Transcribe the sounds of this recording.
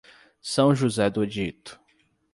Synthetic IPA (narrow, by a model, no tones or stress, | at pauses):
sɐ̃w̃ʒuzɛd̪ʊed͡ʒit̪ʊ̥